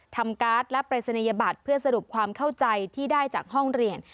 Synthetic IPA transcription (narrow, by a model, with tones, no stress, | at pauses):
t̪ʰa˧mkaː˦˥t̪̚lɛ˦˥pɾa˧sa˧na˧ja˧ba˨˩t̪̚pʰɯ˥˩ɐsa˧ɾu˨˩əp̚kʰwaː˧mkʰa˥˩wt͡ɕa˧jt̪ʰiː˥˩daː˥˩jt͡ɕaː˨˩k̚ɦɔ˥˩ŋɾi˧ən